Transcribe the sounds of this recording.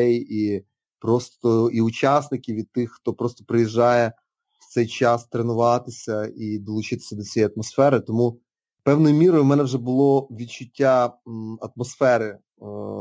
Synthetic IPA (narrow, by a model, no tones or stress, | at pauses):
ɛji | pɾɔst̪ɔiʊt͡ʃɑsnɪkʲiwʋʲid̪̚t̪ɪxːt̪ɔpɾɔst̪ɔpɾɪjiʒːɑjɛ̥ | t̪sɛjt͡ʃɑst̪ɾenʊʋɑt̪ɪsʲɐid̪ɔlˠʊt͡ʃɪt̪ɪ̥sʲɐd̪ɔt͡sʲijɛjɐt̪̚mɔsfɛɾɪt̪ɔmu | pɛwnɔjʊmʲiɾɔjʊmɛnɛwʒɛbʊlˠɔʋʲid̪̚t͡ʃʊtʲːaɐt̪̚mɔsfɛɾɪ